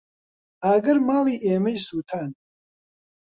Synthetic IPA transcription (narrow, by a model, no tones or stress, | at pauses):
aːɡɐɾmaːliːʔeːmɐd͡ʒsuːt̪ʰaːn